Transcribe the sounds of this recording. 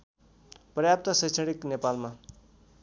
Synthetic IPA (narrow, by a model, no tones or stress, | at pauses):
prʌjap̚t̪asʌjt͡sʰʌɽiknepalma